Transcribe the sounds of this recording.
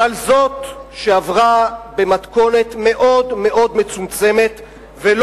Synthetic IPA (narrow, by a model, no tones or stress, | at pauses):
alzo̞t̪ʃeavʁabe̞mat̪ko̞ne̞t̪me̞ʔo̞dme̞ʔo̞d̪me̞t͡sumt͡se̞me̞t̪ | vel